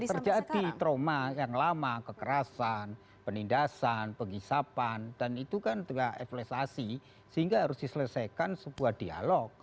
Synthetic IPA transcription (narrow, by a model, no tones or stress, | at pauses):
t̪ərd͡ʒadit̪ɾomajaŋlamakəkəɾasan | pənindasanpəɡisapand̥anit̪ukant̪əjaeflɛsasi | səɦiŋɡaɦaɾʊsdisələsajkansəbuahd̥ia̰lɔk̚